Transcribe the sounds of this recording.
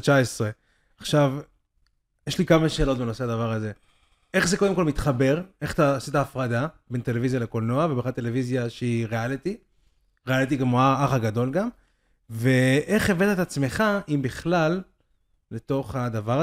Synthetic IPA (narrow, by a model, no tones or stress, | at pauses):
t͡ʃaesʁe̞ | aχʃav | jeʃlikamaʃe̞ːlo̞t̪beno̞se̞ad̪avaʁaze̞ | ʔeχze̞ko̞d̪emko̞lmit̪χabe̞ʁe̞χt̪asit̪aːfʁad̪abe̞nt̪e̞levizjale̞ko̞lnoavebeχadt̪e̞le̞vizjaʃeiʁealit̪i | ʁealit̪̬iɡamoaaχaɡad̪o̞lɡam | ve̞ʔe̞χeve̞t̪et̪at͡sme̞χaʔimbiχlalː | e̞t̪o̞χhad̪avaʁ